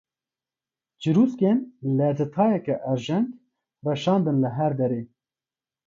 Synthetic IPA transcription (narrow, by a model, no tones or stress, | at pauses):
d͡ʒɨɾuːskenlɛzɨt̪ʰɑːjɛkɛʔɛɾʒɛŋɡ | rɛʃɑːnd̪ɨnləɦɛɾd̪ɛɾeː